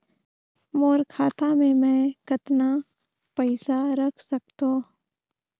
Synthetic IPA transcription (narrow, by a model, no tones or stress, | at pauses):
moːɾkʰaːt̪amẽmɛ̃ːkɐt̪na | pəɪsaɾɐkʰsɐkt̪oː